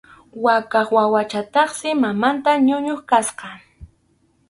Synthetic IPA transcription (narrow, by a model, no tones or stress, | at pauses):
wakɑχwawat͡ʃat̪ɑχsɪmamant̪aɲʊɲoχkasqɑ